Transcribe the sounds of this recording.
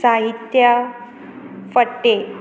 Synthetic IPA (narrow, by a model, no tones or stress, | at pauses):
saɦit̪ja | fəʈːe